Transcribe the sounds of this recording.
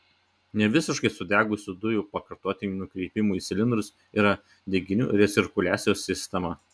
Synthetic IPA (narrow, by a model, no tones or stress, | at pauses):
nʲɛʋʲɪsʲɪʃkɐɪsʊd̪ʲæːɡʊsʲʊd̪ʊjuːpɐkɐɾt̪oːt̪ʲɪnʲuːnʊkɾʲɛɪpʲɪmuːisʲɪlʲɪnd̪ɾʊs | iːɾɐ | d̪ʲɛɡʲɪnʲṵːɾʲɛt̪sʲɪɾkʊlʲæːsʲɪjoːsːʲɪsʲt̪ʲɛmɐ